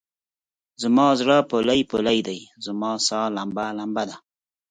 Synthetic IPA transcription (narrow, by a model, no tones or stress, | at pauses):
zəmɑzɽapolajpolajd̪ajzəmɑːsɑːlambalambad̪a